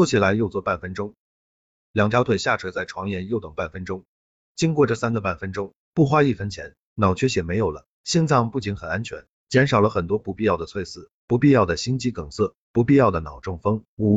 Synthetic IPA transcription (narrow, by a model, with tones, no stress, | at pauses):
ɔ˥˩t͡ɕʰɛ˨˩la˧˥ɪjo˥˧ʊt͡swɔ˥˧pa˥˩nfə˥nʈ͡ʂʊ˥ŋ | ljɑ˨˩ŋt͡ɕjɑ˥ʊt̪ʰe˨˩ɪɕja˥˩ʈ͡ʂʰwə˧˥t͡sa˥˩ɪʈ͡ʂʰwɑ˧˥ŋjɛ˧˥njo˥˩ʊt̪ɤ˨˩ŋpa˥˩nfə˥nʈ͡ʂʊ˥ŋ | t͡ɕi˥ŋkwɔ˥˧ʈ͡ʂə˥˧sa˥nɡə˨pa˥˩nfə˥nʈ͡ʂʊ˥ŋ | pu˥˩xwa˥i˥˩fə˥nt͡ɕʰjɛ˧˥n | nɑ˨˩ʊt͡ɕʰɥɛ˥ɕjɛ˨˩me˧˥ɪjo˨˩ʊlə̰˦ | ɕi˥˧nt͡sʰɑ˥˧ŋpu˥˩t͡ɕi˧˥nxə˨˩na˥nt͡ɕʰɥɛ̰˧˥n | t͡ɕjɛ˧˥nʂɑ˨˩ʊlə˦xə˨˩nt̪wɔ˥pu˥˧˩pi˥˧jɑ˥˩ʊd̪ə˩t͡sʰwe˥˧ɪsɹ̩˥˩ | pu˧˥pi˥˧jɑ˥˩ʊd̪ə˩ɕi˥ŋt͡ɕi˥kɤ˨˩ŋsɤ˥˩ | pu˧˥pi˥˧jɑ˥˩ʊd̪ə˩nɑ˨˩ʊʈ͡ʂʊ˥˩ŋfɤ˥ŋu˧˥